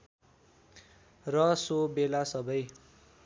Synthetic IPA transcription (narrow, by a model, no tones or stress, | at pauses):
rʌsobelasʌbʌj